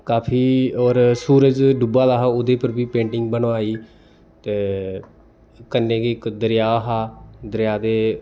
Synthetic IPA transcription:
kaːpʰiːɔːɾsuːɾəd͡ʒɖubaːlaːɦaːoːd̪eːpəɾbiːpẽːɳʈɪŋɡ̚bənʋaːiː | t̪eː | kənːẽːkikd̪əɾɪjaːɦaːd̪əɾjaːd̪eː

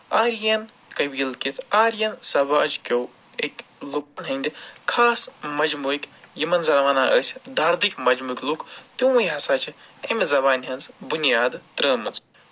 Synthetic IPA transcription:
aːɾjɐn | kɐbiːlkit̪ʰaːɾjɐnsɐbad͡ʒkʲow | ekʲluk̚ɐnɦɐnʲd̪ʲikʰaːsmɐd͡ʒmuikʲjimɐnzɐɾɐʋaːnaːʔəːsʲd̪aːɾd̪ikmɐd͡ʒmuːikʲlukt̪ĩɐjɦɐsaːt͡ʃʰiɐmzɐbaːnʲɦɐnzbunijaːd̪t̪ɾəːmɨnt͡s

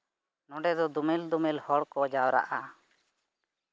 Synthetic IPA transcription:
nɔ̃ɖɛd̪ɔd̪umɛld̪umɛlhɔɽkɔd͡ʒawɾa̰ʔa

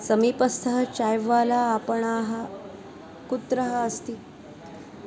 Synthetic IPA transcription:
səmiːpəst̪ʰəɦət͡ɕajʋalaːpəɳaɦa | kut̪ɾəɦəəst̪iː

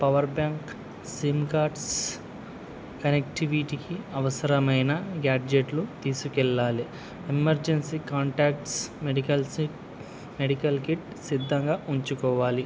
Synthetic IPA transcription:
pɐʋɐɾbaːŋk | siːmkaːɾɖs | kɐnekʈiʋiʈikiɐʋɐsɐɾɐmɐjnɐɡaːʈd͡ʒeʈlut̪iːsukɛɭːaːli | emɐɾd͡ʒensiːkaːɳʈaːkʈsmeɽikɐlsi | meɽikɐlkiʈ | sid̪ʱːɐŋɡaːʔuɲt͡ʃukɔːʋaːli

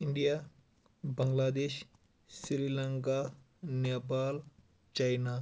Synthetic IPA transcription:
iɳɖija | bɐŋɡlaːd̪eːʃ | sɾiləŋka | nepaːl | t͡ʃajna

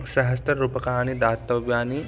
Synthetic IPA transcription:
sɐɦɐst̪ɐɾɾuːpəkɐɦaːnid̪aːt̪ːɐʋjaːni

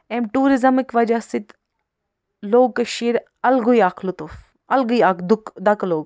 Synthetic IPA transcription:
emʈuːɾizɐmikʋɐd͡ʒasit̪ | loːɡ̚kɐʃiːɾ | ɐlɡujaːkʰlut̪uf | ɐlɡujakd̪ukd̪ɐkloːɡ

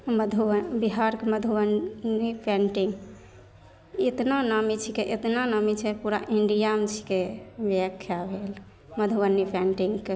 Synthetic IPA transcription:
məd̪ʱubiɦaɾkeməd̪ʱuwənipʰɛɳʈiŋɡ | et̪nanamit͡ʃʰikeʔet̪nanamit͡ʃʰɛpuɾa̰ʔiɳɖijamt͡ʃʰi̥kebjakʰːjabʱel | məd̪ʱuʋənːipʰenʈiŋɡke

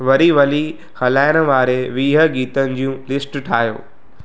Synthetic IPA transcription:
ʋɐɾiʋɐli | xɐlaːɪɽ̃ə̆ʋaːɾeʋiːɦə̆ɡiːt̪ənɪ̆d͡ʑijũlɪsʈʈʰaːɦjo̰ː

